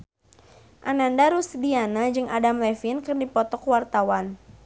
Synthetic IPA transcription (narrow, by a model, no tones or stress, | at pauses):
ʔanandaɾusdianad͡ʒɨŋadamlɛfɪnkɨrdipɔt̪ɔkwart̪awan